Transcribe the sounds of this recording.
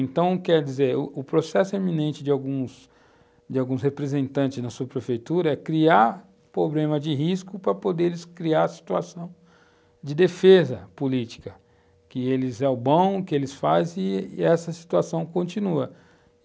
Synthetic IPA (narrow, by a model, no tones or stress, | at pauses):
ẽnt̪ɐ̃w̃kɛɾd͡ʒizeɾʊʊpɾosɛsʊemĩnẽnt͡ʃɪd͡ʒɪawɡũs | d͡ʒɪawɡũshepɾezẽnt̪ɐ̃nt͡ʃɪznɐsuɐpɾefejt̪uɾɐɛkɾiaɾ | pɾoblẽmɐd͡ʒɪɦiskʊpɾɐpod̪elɪskɾiaɾɐsi̥t̪uasɐ̃w̃ | d͡ʒɪd̪efezɐpʊlit͡ʃi̥kɐ | kɪelɪzɛʊbõw̃kɪelɪsfazɪɛsɐsi̥t̪uasɐ̃w̃kõnt͡ʃĩnuɐ